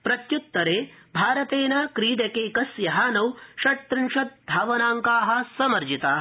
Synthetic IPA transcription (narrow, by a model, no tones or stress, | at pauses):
pɾɐt̪jut̪ːɐɾeːbʱaːɾɐt̪eːnaːkɾiːɖɐkeːkɐsjɐɦaːnɐwʃɐt̪ːɾɪnʃɐt̪̚b̪ʱaːʋɐnaːŋkaːɦɐ̆sɐmɐɾd͡ʒit̪aː